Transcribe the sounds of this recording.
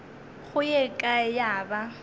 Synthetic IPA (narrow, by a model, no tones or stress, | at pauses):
χʊjɛkʼajaːba